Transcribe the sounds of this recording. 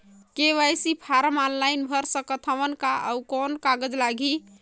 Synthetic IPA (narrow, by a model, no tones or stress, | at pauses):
keʋajsipʰaɾəmɔnlajnbʱəɾsə̃kət̪ʰəʋənkaʔə̰ukɔnkaɡəd͡ʒlaɡʱi